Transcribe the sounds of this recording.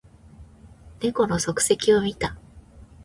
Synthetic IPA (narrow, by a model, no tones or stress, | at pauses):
ne̞ko̞no̞so̞kɯ̟̥se̞kʲio̞mʲit̪a